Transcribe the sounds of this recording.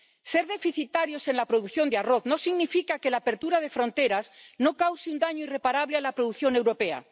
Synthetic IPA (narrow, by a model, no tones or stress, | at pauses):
se̞ɾðe̞fiθit̪aɾjo̞se̞nlapɾo̞ðuθjo̞nd̪earo̞θno̞siɣnifikake̞laːpe̞ɾt̪uɾað̞e̞fɾo̞nt̪e̞ɾazno̞kawsiund̪aɲoire̞paɾaβlealapɾo̞ðuθjo̞ne̞wɾo̞pea̰